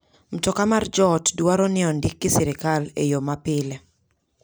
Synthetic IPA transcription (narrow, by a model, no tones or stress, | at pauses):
m̩tɔkamard͡ʒɔtdwaɾɔnɪɔndikːɪsɪɾɪkalḛjomapɪle